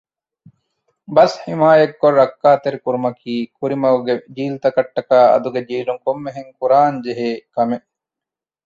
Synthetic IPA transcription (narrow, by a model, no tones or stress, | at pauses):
bɐshimaːjɐk̚ɡorːɐkːaːt̪eɾkuɾumɐkʰiːkuɾimɐwɡed͡ʒiːlt̪ɐkɐʈːɐkaːɐ̰d̪uɡed͡ʒiːluŋkomːeɦeŋkuɾaːnd͡ʒeɦeːkɐmeʔ